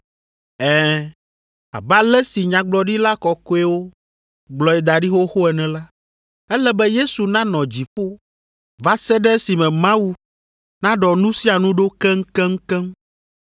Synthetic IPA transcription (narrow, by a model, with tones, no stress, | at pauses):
ɛ˦ | a̰˨ba˦lɛ˦si˨ɲã˨ɡ͡blɔ˨ɖi˦la˦kɔ˨ko˦ɛ˦wo˦ | ɡ͡blɔ˨ɛ˨d̪a˨ɖi˦xo˦xo˦ɛ˨nɛ̃˨la˦ | ɛ˦lɛ˦bɛ˦je˦su˨nã˦nɔ̃˨d͡ʑi˨ɸo˦ | va˦sɛ˦ɖɛ˦si˨mɛ̃˨mã˦wu˦ | nã˦ɖɔ˨nũ˦si˦a˨nũ˦ɖo˦kɛ˦ŋ̩˦kɛ̃˦ŋ̩˦kɛ̃˦m